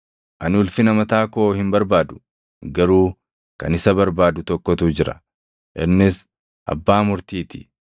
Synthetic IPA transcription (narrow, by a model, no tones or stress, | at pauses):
ʔɐnʊlfɪnɐmɐt̪aːko̞ːhɪmbɐɾbaːd̪ʊ̥ | ɡɐɾuː | kɐ̰nɪsɐbɐɾbaːd̪ʊt̪ɔkːɔt̪uːd͡ʒɪɾɐ̰ | ʔɛnːɪs | ʔɐ̰bːaːmʊɾt̪iːt̪ɪ̥